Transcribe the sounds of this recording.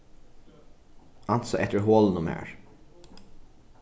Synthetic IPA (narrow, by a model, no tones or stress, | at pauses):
ʔɑlt̪sɔʔɛt̪əɹɦoːln̩ʊmæ̰ːɹ